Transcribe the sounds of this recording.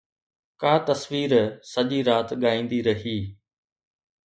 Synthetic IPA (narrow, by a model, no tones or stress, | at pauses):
kaːt̪ɐsʋiːɾsɐʄiɾaːt̪ɠaːĩːnd̪iɾɐɦiː